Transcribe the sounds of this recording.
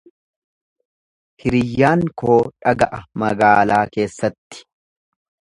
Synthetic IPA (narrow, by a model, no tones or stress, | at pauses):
hɪɾɪjːaːŋkoːᶑɐɡɐʔɐmɐɡaːlaːke̞ːsːɐt̪ːɪ̥